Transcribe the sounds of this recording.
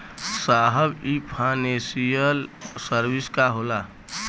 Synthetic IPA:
saɦəbipʰanesijəlsəɾbiskaɦola

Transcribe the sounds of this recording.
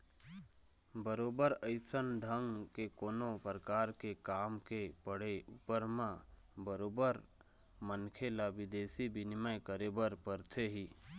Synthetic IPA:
bəɾoːbəɾəɪsənɖʱəŋɡkekoːnopɾəkaːɾkekaːmkepəɽ̤eupəɾmã | bəɾoːbəɾ | mənkʰelabɪd̪eːsibɪnɪməjkəɾebəɾpəɾt̪ʰeɦiː

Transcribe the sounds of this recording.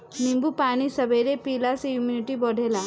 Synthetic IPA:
nimbupañisəbʱeɾepilasejuminiʈibɔɽʱela

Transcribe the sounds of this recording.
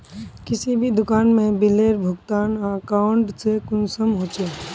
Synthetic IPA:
kɪsibʱid̪ʊkaːnmẽbɪleːɾbʱʊɡt̪aːnãkaːʊɳʈsekʊnsəmɦoːt͡ʃeː

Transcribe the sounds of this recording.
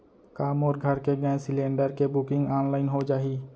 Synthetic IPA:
kaːmɔːɾɡʱəɾkeɡɛ̃ːsɪlẽːɳɖəɾkebʊkɪ̃ŋɡaːnlaːɪnɦod͡ʒaːɦiː

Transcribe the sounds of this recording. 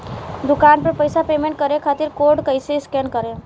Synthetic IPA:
d̪ʊkaːnpɐɾpəjsapeːmẽɳʈ̚kəɾekʰaːt̪ɪɾkoːɾɖkəiseskeːnkəɾẽ

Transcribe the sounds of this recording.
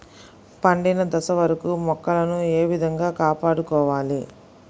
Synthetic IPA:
pɐɳɖinɐd̪ɐsɐʋɐɾɐkumɔkːɐlɐnueːʋid̪ʱɐŋɡaːkaːpaːɽukɔːʋaːli

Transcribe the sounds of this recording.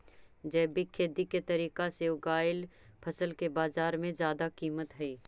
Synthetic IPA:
d͡ʒɛːbikʰeːd̪iket̪ɐɾiːkaseʊɡaːɪlpʰɐsəlkebaːzaːɾmẽzjaːd̪akiːmət̪ɦɛiː

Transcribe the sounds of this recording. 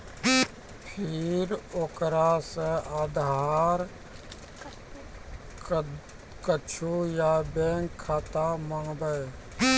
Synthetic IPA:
pʰiɾoːkɾasəad̪ɦaːɾ | kət͡ʃʰujabeːŋkʰːaːt̪aməŋbəe

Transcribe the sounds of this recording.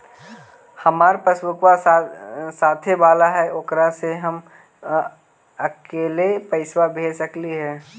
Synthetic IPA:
hɐmaːɾpəswʊkwa | saːt̪ʰebaːlaɦɛʔokɾaseɦɐm | ɐkeːlepəɪswabʱeːsəkliɦɛː

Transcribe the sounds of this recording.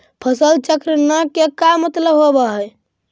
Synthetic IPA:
pʰəsəlt͡ʃəkɾənəkekamət̪ləbɦobəɦɛj

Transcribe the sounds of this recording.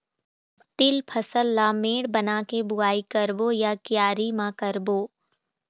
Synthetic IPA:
t̪ɪlpʰɐsəlːameːɽbɐnaːkebʊaːikəɾbojakjaːɾimãkəɾboː

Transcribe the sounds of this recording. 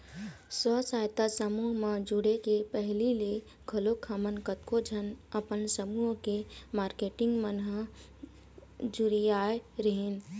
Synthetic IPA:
səsajt̪asəmuɦmẽd͡ʒuɽekepəɦlile | ɡʱəlokʰamənkət̪kod͡ʒʱənəpənsəmuɦkemaːɾkeʈɪŋɡmənɦə | d͡ʒuɾijaeɾəɦen

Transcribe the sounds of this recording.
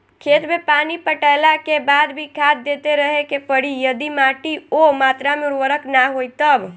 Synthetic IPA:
kʰet̪mepanipəʈəjlakebad̪bʱikʰad̪d̪ːet̪eɾəɦekepəɽijəd̪imaʈiomat̪ɾameuɾʋəɾəknaɦojt̪əb

